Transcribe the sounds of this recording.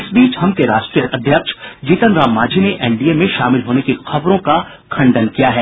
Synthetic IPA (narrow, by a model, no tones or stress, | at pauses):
ɪsbiːt͡ʃhɐmkeɾaːʃʈɾijəʔɐd̪ʱjəkʃd͡ʒiːt̪ənɾaːmːaːd͡ʒʱineʔɛːɳɖiemẽʃaːmɪlɦoːnekixɐbɾõka | kʰɐ̃ɳɖənkijaɦɛː